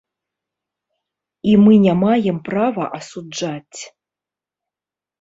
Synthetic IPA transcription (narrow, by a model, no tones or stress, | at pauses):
imɨnʲamajɛmpravɐ̰ʔɐsud͡ʐat͡sʲ